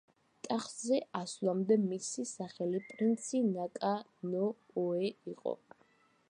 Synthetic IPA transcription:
t̪ʼaχzɛaslˠamd̪ɛmisisaχɛlipʼɾint̪sʰinakʼanɔː | ɛiqʼɔ̰

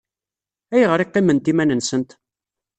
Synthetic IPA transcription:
æjʁəɾiqːimːənt̪imænənsənt̪

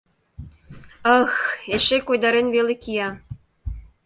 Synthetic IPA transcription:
ɤxeʃekojd̪ɑɾenβelekijɑ

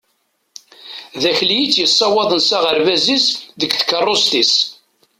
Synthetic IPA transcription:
ðæçlijit͡sːjəsˤːɑwɑðˤənsaʁəɾvæzisðəɡθkːərˤːost̪is

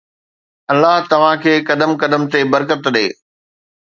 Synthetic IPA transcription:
ɐlːaɦt̪ɐʋ̤ãkʰeːkɐd̪əmkɐd̪əmt̪ebɐɾkət̪ɗeː

